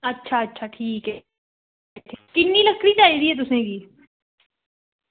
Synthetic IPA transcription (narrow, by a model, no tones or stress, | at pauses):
ətːʃʰaːətːʃʰaːʈʰiːkɛ | ʈʈʰiːkɪnːiːləkʰːɽiːt͡ʃaːiːd̪iːɦɛːt̪ʊsẽkiː